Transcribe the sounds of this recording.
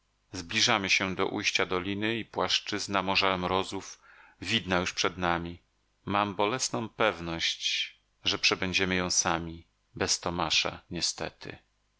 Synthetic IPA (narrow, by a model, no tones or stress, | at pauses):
zblʲiʐamɘɕɛd̪ɔ̰ʔujɕt͡ɕad̪ɔlʲinɘipwaʂt͡ʂɘznamɔʐaɾɛmɾɔzufvʲid̪najuʂpʂɛd̪namʲi | mambɔlɛsnɔ̃w̃pɛvnɔɕt͡ɕ | ʐɛpʂɛbɛɲd͡ʑɛmɘjɔ̃w̃samʲi | bɛst̪ɔmaʂa̰ɲɛst̪ɛ̰t̪ɘ̰